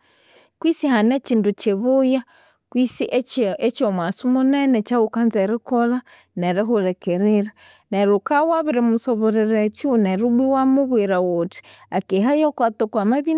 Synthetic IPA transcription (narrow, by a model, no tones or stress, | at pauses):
kwisihanet͡ʃindut͡ʃeβuja | kwisiʔet͡ʃomwasumunenet͡ʃawukanzeɾikola | neɾeɦuɾekeɾiɾa | neɾukawaβiɾemusoβoɾeɾet͡ʃuneɾubwiwamuβweɾawoti̥ | akeɦajokwat̪okwamaβi